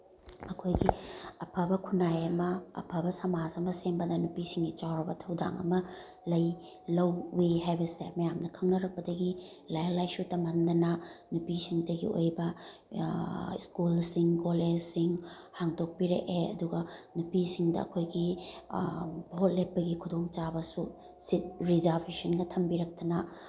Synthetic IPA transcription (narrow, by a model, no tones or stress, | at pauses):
ɐkʰojɡiɐpʰɐbɐkʰunajɐmɐɐ̰pʰɐbɐsɐmasɐmɐsembɐdɐnupisiŋɡit͡ʃawɾɐbɐtʰɐwda̰ŋɐ̰mɐ | lɐj | lɐwːiɦajbɐsemɐjamnɐkʰɐŋnɐɾɐk̚pɐdɐɡi | lajlajsutɐmɐndɐnɐnupisiŋdɐɡḭo̰jbɐ | iskulsiŋkoled͡ʒsiŋ | haŋdok̚piɾḛʔeɐ̰duɡɐnupisiŋdɐ̰ːkʰojɡi | bʱot̚lepːɐɡikʰudoŋt͡ʃabɐsu | sit̚ɾizaɾpʰisɐnɡɐtʰɐmbiɾɐk̚tɐnɐ